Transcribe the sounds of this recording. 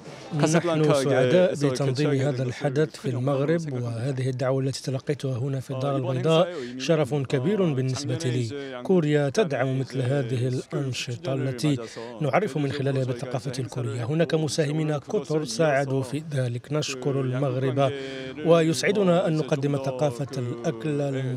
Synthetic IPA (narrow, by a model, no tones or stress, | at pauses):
naħnʊsʊʕad̪aːʔbət̪ɑnd̪ˤiːmɦæːd̪ælħad̪aθfilmaɣɾɪbwəɦæːd̪ɪhɪd̪ːaʕwaʔlːæt̪i̥ːt̪alɑqːɑjt̪ʊhaɦʊnafid̪ːɑːɾˤɑlbɑnd̪ˤɑːʔʃɑɾˤɑfʊkæbiːɾʊbənːəsbat̪iliːkʊɾjat̪ad̪ʕammət̪lɦæːd̪ɪhɪlʔɑnʃɨt̪ˤɑʔlːæt̪inʊʕɑrˤːɪfʊmɪnxɪlæːlhabəθːɑqɑːfalkuɾəjːaɦʊnæːkamʊsæhɪmiːnakʊt̪ɾˤsaːʕad̪ufiðæːləknəʃkʊɾʊlmaɣɾɪbawəjʊsʕɪd̪ʊnaʔænːʊqɑd̪ːɪmaθɑqɑːfalʔakll